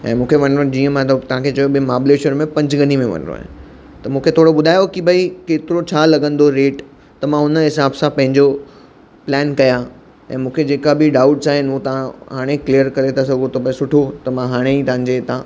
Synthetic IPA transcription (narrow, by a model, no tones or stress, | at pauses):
ɛ̰̃ːmũːkʰeʋɐnɾod͡ʑiːə̃mãt̪ɐʋ̤ãkʰet͡ɕɐjoɓimaːbleːʃəɾmẽpɐ̃ɲd͡ʑɡɐnimẽʋɐ̰n̰ɾo̰a̰ː | t̪ɐmũːkʰet̪ʰoːɽoɓʊd̪ʱaːjokibʱɐikeːt̪ɪɾot͡ɕʰaːlɐɡə̃nd̪oɾeːʈ | t̪ɐmãʊnəɦɪsaːbsãpɐ̃ɦɪ̃ɲd͡ʑo | plɛːnkɐja | ɛ̃ːmũːkʰed͡ʑeːkabɪɖaːʊʈsaːɦɪnut̪ɐʋãɦaːɽ̃eklijəɾkɐɾet̪ʰas̬ɐɡʱot̪opɐ̃sʊʈʰot̪ɐmãɦaːɽ̃eit̪ɐʋãɲ̆d͡ʑet̪ʰã